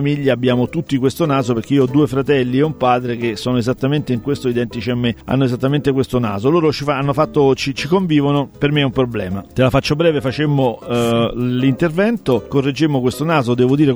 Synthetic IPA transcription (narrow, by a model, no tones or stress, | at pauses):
miʎːaːbːjaːmot̪ut̪ːikwest̪onaːzoperk̟eiːoɔd̪ːuːefɾat̪ɛlːieumpaːd̪ɾek̟esːoːnoezat̪ːament̪eiŋkwest̪oid̪ɛnt̪it͡ʃiamːea̰nːoezat̪ːament̪ekwest̪ona̰ːzoloːɾot͡ʃifaanːofat̪ːot͡ʃit͡ʃikoɱviːvonopermeɛumpɾoblɛ̰ːmat̪elafat͡ʃːobɾɛːvefat͡ʃemːo | lint̪ervɛnt̪okorːed͡ʒːemːokwest̪onaːzod̪ɛːvod̪iːɾe